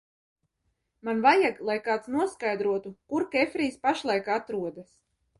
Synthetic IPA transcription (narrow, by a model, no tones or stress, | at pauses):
manvajaɡlˠajkaːt̪snuɔskajd̪ɾuɔt̪ukuɾkɛfɾiːspaʃlˠajkat̪ɾuɔd̪as